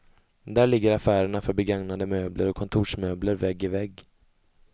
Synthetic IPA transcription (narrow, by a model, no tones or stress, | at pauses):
d̪æɭɪɡːəɾafæːɾəɳafœɾbɛɡaŋnad̪əmøːblʔəɾɔkʰːɔnt̪ʰuːʂmøːbləɾvɛɡːɪvɛɡ